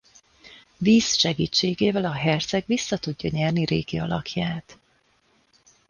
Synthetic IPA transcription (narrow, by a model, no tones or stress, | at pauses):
viːsʃɛɡiːt͡ʃːeːɡeːvɛlɒɦɛrt̪sɛɡvisːɒt̪uɟːɒɲɛrniɾḛːɡiɒ̰lɒ̰kʰjaːt̪